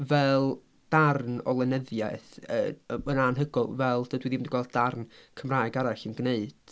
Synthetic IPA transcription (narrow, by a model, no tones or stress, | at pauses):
vɛlˠ | d̥arnɔ̰lˠɛnəðja̰θə̰ənanɦəɡʊlˠvɛlˠdədwiðimdiɡwɛlˠdd̥arnkʰəmraːɨɡaɾaɬənɡneɨd̥